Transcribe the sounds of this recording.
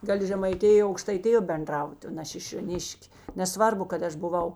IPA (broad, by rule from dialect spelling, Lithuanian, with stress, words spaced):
ˈɡɑːlʲɪ ʒʲɛmɐɪˈtʲɪjoː ɐʊkʃtɐɪˈtʲɪjoː bʲɛnˈdrɐʊtʲɪ oː nʲɛ ʃʲɪʃʲoːˈnʲɪʃʲkʲ nʲɛˈsʋɐrbʊ kɐt ˈɐʃ bʊˈʋɐʊ